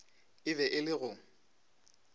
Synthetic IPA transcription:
ɪbɛʔɪlɪɣʊ

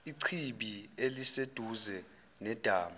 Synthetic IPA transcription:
iǀʰiɓielised̥ʱuzɛ | nɛd̥ʱaːma

